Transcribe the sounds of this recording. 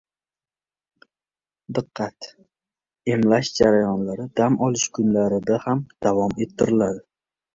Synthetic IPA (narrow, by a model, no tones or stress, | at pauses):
d̪ɨqːɑt̪ | e̞mlaʃd͡ʒaɾajɒnlaɾɪd̪̥amɒlˠɪʃkʰʊnlaɾɪd̪ahamd̪̥avɒme̞t̪ʰːɪɾɪlad̪ɪ